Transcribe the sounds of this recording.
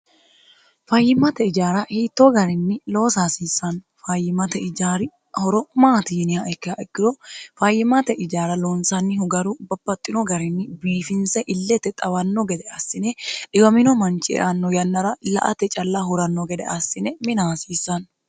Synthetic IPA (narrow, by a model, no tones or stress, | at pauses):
fɐjːɪmːɐt̪ɛɪd͡ʒaːɾɐhiːt̪ːoɡɐɾɪnːɪlo̞ːsaːsiːsːɐn | fɐjɪmɐt̪ɛɪd͡ʒaːɾɪ | hɔɾɔmaːt̪iːnɪhaɛkːɪaʔɛkːɪɾɔfɐjːɪmɐt̪ɛʔɪd͡ʒaːɾɐloːnsɐnːɪhʊɡɐɾubɐbːɐt̪ʼːɪnɔɡɐɾɪnːɪbiːfɪnsɛʔɪlːɛt̪ːɛt̪ʼɐwɐnːɔɡɛd̪ɛɐsːɪnɛᶑɪɡɐmɪnɔmɐnt͡ʃʼɪʔɛ̰ʔɐnːɔjɐnːɐɾɐlɐ̰ʔɐ̰t̪ɛt͡ʃʼɐlːahʊɾɐnːɔɡɛd̪ɛʔɐsːɪnɛmɪnaːsiːsːɐn